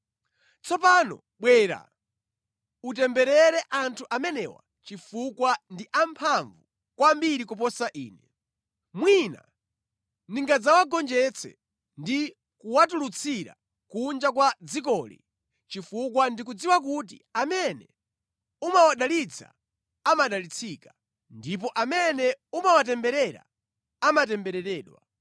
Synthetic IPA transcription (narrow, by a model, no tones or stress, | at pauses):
t͡sʰɔpanɔ̰ | ɓwɛːɾa̰ | ut̬ɛmbɛɾɛɾɛʔantʰuʔamɛnɛ̰wa̰ | t͡ʃifukwandiʔampʰaɱvu | kwambiɾikup̬ɔsaʔḭːnɛ | mwina̰ | niŋɡad͡zawaɡɔnd͡ʒɛt͡sʰɛ̰ | ndi | kuwatulut͡sʰiɾa̰ | kund͡ʒakwad͡zik̬ɔlḭ | t͡ʃifukwandik̬ud͡ziwak̬ut̬ḭamɛnɛ̰ | umawaɗalit͡sʰa̰ | amaɗalit͡sʰika | ndip̬ɔʔamɛnɛumawat̬ɛmbɛɾɛɾa̰ | amat̬ɛmbɛɾɛɾɛːɗwa̰